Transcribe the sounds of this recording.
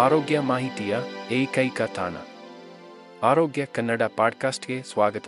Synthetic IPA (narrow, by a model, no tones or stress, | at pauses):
aːɾoːɡjɐmaːɦit̪ijɐeːkɐikɐt̪ʰa̰ːnɐ̰ | aːɾoːɡjɐkɐnːəɖapaːɖ̚kaːsʈkeswaːɡət̪